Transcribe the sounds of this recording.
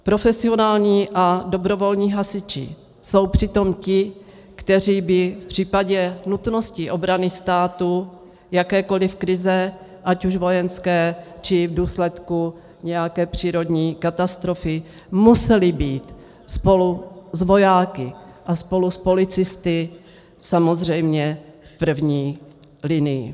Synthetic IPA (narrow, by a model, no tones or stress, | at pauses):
pɾo̞fɛsɪo̞naːlɲiːʔado̞bɾo̞vo̞lɲiːɦasɪt͡ʃɪ̰ | so̞wpr̥ɪt̪o̞mcɪ | kt̪ɛr̝iːbɪfpr̝̥iːpaɟɛnut̪no̞scɪʔo̞bɾanɪst̪aːt̪u | jakɛːko̞lɪfkɾɪzɛ | ʔacuʃvo̞jɛnskɛːt͡ʃɪvduːslɛt̪ku | ɲɛjakɛːpr̝̥iːɾo̞dɲiːkat̪ast̪ɾo̞fɪ | musɛlɪbiːt̪ | spo̞luzvo̞jaːkɪʔaspo̞luspo̞lɪt͡sɪst̪ɪ | samo̞zr̝ɛjmɲɛfpr̩vɲiː | lɪnɪjɪ̰